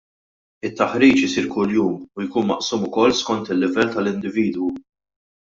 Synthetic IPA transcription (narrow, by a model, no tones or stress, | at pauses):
ɪt̪ːɐħɾiːt͡ʃɪsiːɾkʊljuːmujkuːnmɐʔsuːmʊkɔlːskɔnt̪ɪlːɪvɛlːt̪ɐlɪnd̪ɪviːd̪wu